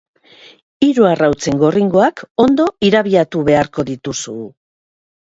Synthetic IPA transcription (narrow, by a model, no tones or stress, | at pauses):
iɾuarawt͡se̞ŋɡo̞riŋɡo̞ako̞nd̪o̞iɾaβiat̪uβe̞aɾko̞ðit̪usuː